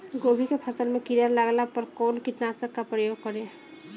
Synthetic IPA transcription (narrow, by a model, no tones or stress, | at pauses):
ɡobʱikepʰəsəlmekiɾaɾlaɡlapəɾkɔnkiʈnasəkːapɾəjoɡ̚kɔɾe